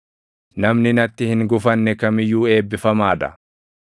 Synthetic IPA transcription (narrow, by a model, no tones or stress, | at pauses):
nɐmnɪnɐt̪ːɪhɪŋɡʊfɐnːɛkɐmɪjːuːe̞ːbːɪfɐmaːd̪ɐ̰